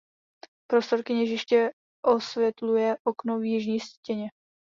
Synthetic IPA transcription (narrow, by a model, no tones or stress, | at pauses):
pɾo̞st̪o̞ɾkɪɲɛʒɪʃcɛ | ʔosvjɛt̪lujɛʔokno̞vjɪʒɲiːscɛɲɛ